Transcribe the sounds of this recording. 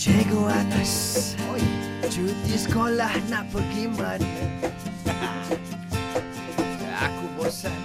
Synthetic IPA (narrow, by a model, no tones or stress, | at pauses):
d͡ʒeɡoanasojt͡ʃut̪iskolahnaʔpəɡiman | a̰kubosa